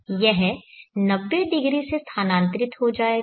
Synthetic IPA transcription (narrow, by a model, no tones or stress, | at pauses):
jɛɦnɐbːed̪ɪɡɾisest̪ʰaːnãːnt̪ɾɪt̪ɦod͡ʒaːeː